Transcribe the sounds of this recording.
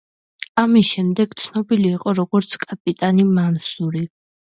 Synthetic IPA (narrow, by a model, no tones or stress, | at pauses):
amisʃɛmd̪ɛɡ̥t̪sʰnɔbiliːqʼɔɾɔɡɔɾt̪sʰkʼapʼit̪ʼanimansuɾi